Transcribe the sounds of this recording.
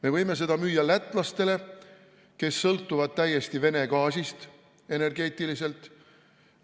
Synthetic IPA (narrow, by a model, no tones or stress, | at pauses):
me̞vɤjme̞s̬e̞d̪̥ɑmyːjɑlæt̪ːˑlɑst̪e̞le̞ | ke̞sːɤlt̪ːˑuvɑd̪̥̚t̪æjːe̞st̪ive̞ne̞ɡ̥ɑːsist̪ | e̞ne̞rɡe̞ːt̪ːˑilise̞lt̪ˑ